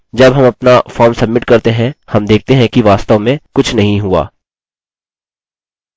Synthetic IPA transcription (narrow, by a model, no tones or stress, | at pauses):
d͡ʒɐbɦɐmɐpnafɔːɾmsɐbmɪʈkɐɾt̪eɦɛ̃hɐmd̪eːk̚ʰt̪eɦɛ̃kiʋaːst̪əʋmẽkʊt͡ʃʰnɐɦĩɦʊa̰ː